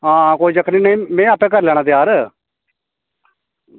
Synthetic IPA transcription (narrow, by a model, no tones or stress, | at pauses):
ɦãːkoːid͡ʒəkʰniːnəĩːmɛ̃ːaːpɛ̃ːk̬əɾlɛːɽ̃aːt̪ɪjaːɾ